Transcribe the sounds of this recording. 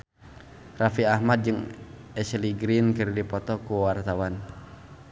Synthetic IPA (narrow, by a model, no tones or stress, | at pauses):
rafiahmat̪̚d͡ʒɨŋ | ɛsliɡɾinkɨrdipɔt̪ɔkuwart̪awan